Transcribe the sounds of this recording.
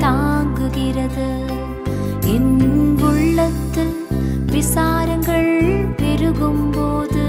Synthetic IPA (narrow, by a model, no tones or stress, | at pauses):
t̪aːŋɡɯɣɪɾɐðɯ | ɪnɡʊɭːɐt̪ːɪl | ʋɪsaːɾɐŋɡɐɭʋɪɾɯɣɯmpoːðɯ